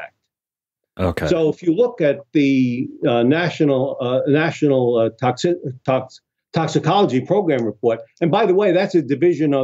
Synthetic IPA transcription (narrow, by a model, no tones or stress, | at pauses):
ɛ̰k̚t̚ | ʔoʊkʰoʊəfjɨlʊkɨt̪̚ðɨ | næʃɨnl̩ˠnæʃnl̩ˠtʰɑksɪtʰɑk | tʰɑksɨkʰɑlˠəd͡ʒipʰɹ̥oʊɡɹæ̃mɹɨpʰɔɹɾɨ̃nbaɪðəweɪðætsɨdɨvɪʒɨ̃nʌ